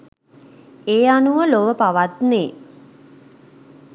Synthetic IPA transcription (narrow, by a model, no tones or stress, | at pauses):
eːanuʋəloʋəpaʋat̪neː